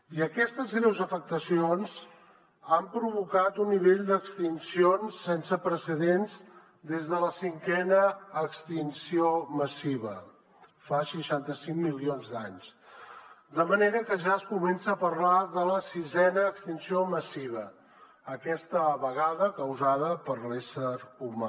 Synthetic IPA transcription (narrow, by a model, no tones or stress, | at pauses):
iəkɛst̪əzɣɾɛwzəfək̚t̪əsionz | ampɾuβukat̪unːiβeʎd̪əkst̪insionsːɛnsəpɾəsəðenz | d̪ezðələsiŋkɛnəːkst̪insioməsiβ̞ə̰ | fasəʃant̪əsiŋmilionzd̪aɲz | d̪əməneɾəkəʒaəskumɛnsəːpərlaðələsizɛnəːkst̪insioməsiβ̞ə | əkɛst̪əβəɣ̞aðəkəwzaðəpəɾlesəɾuma